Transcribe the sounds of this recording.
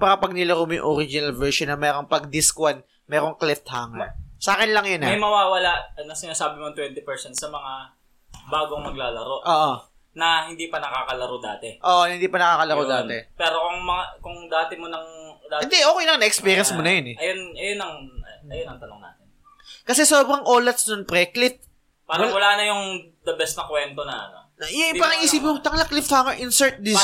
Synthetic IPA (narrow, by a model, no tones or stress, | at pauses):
pakɐpɐɡ̚nɪlɐɾomjʊ̰ŋʔoɾid͡ʒɪnɐlvɛɹʃonːɐmɛːɾoŋpɐɡ̚d̪ɪskwan | mɛːɾoŋklɛft̪̚haːŋɐsaːkɪnlɐŋjʊnɐɐjmɐwaːwɐlaʔnɐsɪnaːsaːbɪmoɐŋt̪wɛnt̪ɪpɛɹsɛnt̪sɐmɐŋa | baːɡoŋmɐɡ̚laːlɐɾo̞ʔoːʔo | nɐhɪnd̪iːpɐnɐkaːkɐlɐɾod̪aːt̪ɛʔoːʔhɪnd̪iːpɐnɐkaːkɐlɐɾod̪aːɛpɛːɾokʊŋmɐŋakʊŋd̪aːt̪ɪmonɐŋd̪aɪnd̪ɛʔokejnɐŋnɐʔɛkspiːɾjɐnsmonɐjonɛʔɐjonɐjonɐŋɐjonɐŋt̪ɐnoŋna̰ːt̪ɛn | kɐsɛsoːbɾɐŋʔoːlɐt̪snʊnpɾɛklɪt̪̚ | paːɾɐwɐlaːnɐjʊŋ | d̪ɐbɛst̪nɐkwɛnt̪onɐɐ̰no̰ | jpaːɾɐŋʔɪsiːpɪnmot̪ɐŋlɐklɪpfaːmɐʔɪnsɛɹt̪̚d̪ɪ